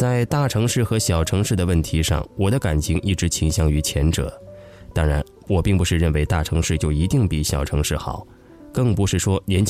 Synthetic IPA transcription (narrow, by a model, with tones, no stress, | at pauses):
t͡sa˥˧ɪt̪a˥˩ʈ͡ʂʰɤ˧˥ŋʂɻ̩˥˩xɤ˧˥ɕjɑ˨˩ʊʈ͡ʂʰɤ˧˥ŋʂɻ̩˥˩d̪ə˩wə˥˩nt̪ʰi˧˥ʂɑ̰˥˩ŋwɔ˨˩d̪ə˦ka˨˩nt͡ɕʰi˧˥ŋʔi˥˩ʈ͡ʂɻ̩˧˥t͡ɕʰi˧˥ŋɕjɑ˥ŋy˧˥t͡ɕʰjɛ˧˥nʈ͡ʂɤ̰˨˩˦ | t̪ɑ˥ŋɻa˧˥n | wɔ˨˩pi˥˩ŋpu˧˥ʂɻ̩˥˧ɻə˥˩nwe˧˥ɪt̪a˥˩ʈ͡ʂʰɤ˧˥ŋʂɻ̩˥˧t͡ɕjo˥˩ʊi˧˥t̪i˥˩ŋpi˨˩˦ɕjɑ˨˩ʊʈ͡ʂʰɤ˧˥ŋʂɻ̩˥˩xɑ̰˨˩˦ʊ | kɤ˥˩ŋpu˧˥ʂɻ̩˥˩ʂwɔ˥ljɛ˧˥nt͡ɕʰ